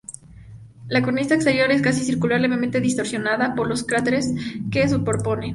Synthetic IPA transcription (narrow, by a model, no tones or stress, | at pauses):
lakoɾnisaekst̪e̞ɾjo̞ɾe̞skas̬isiɾkulaɾleβement̪eðist̪o̞ɾsjo̞naðapo̞ɾlo̞skɾat̪eɾeskes̬upoɾpo̞ne